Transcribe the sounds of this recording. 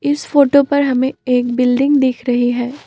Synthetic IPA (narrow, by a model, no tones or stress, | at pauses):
ɪsfoːʈopɐɾɦɐmẽeːk̚bɪlɖɪ̃ŋɡd̪eːkʰɾɐɦiɦɛː